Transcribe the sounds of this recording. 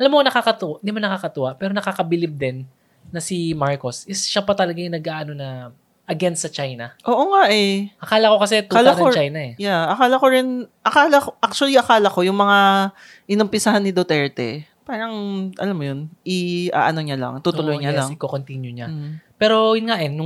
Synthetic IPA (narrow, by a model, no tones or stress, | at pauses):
ʔɐlamːonɐkakɐt̪ʊʔd̪ɪmonɐkaːkɐt̪ʊʔapɛːɾonɐkaːkɐbɪlɪb̚d̪ɛnː | ɐsimaɹko̞sɪsʃapɐt̪ɐlɐɡajʊnɐɡʔaːʔɐnonɐ | ʔɐɡɛnst̪sɐt͡ʃajnɐʔo̞ːʔo̞ŋaʔɛʔɐkaːlɐkokɐsɛt̪uaːlak̪ɐot͡ʃajnɐɛjaʔɐkaːlɐkoɾɛnʔɐkaːlɐʔak̚t͡ʃʊɐliʔɐkaːlɐko̞jʊŋmɐŋa | ʔɪnʊmpɪsaɦanːɪd̪ot̪ɛɹt̪ɛ̰paːɾɐŋʔɐ̰lamːojonʔɪʔa̰ːʔɐno̞ɲalɐ̰ŋt̪ut̪ʊlojɲalaŋkokont̪injʊɲam̩pɛːɾo̞jʊnŋaʔɛnːʊ